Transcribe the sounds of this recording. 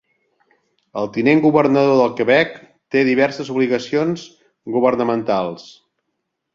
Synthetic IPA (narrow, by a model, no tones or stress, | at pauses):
əlˠt̪ineŋɡuβərnəðoðəlˠkəβɛk | t̪eðiβɛrsəzuβliɣəsionz | ɣuβərnəmənt̪alˠs